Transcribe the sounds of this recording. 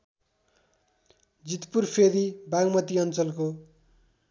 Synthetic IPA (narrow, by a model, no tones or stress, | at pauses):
d͡zit̪purpʰeɾibaɡmʌt̪iʌnt͡sʌlko